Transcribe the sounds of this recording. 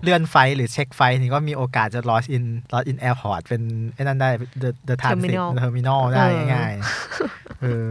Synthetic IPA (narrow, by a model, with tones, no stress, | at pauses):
lɯ˥˩ənfa˧jɾɯː˩˦t͡ɕʰe˦˥k̚fa˧jniː˧˩k̬ɔː˥˩miː˧ʔoː˧kaː˨˩t̪̚t͡ɕa˨˩lɔː˦˥sʔi˧nlɔː˦˥sʔi˧nʔɛː˧pʰɔː˨˩t̪̚pe˧nhna˥˩ndaː˥˩jdɤː˧dɤː˧t̪ʰaː˧smi˧i˨˩˧t̪ʰɤː˧mi˧nɔː˥˩daaː˥˩ja˥˩ŋa˧˩j | ʔɤː˧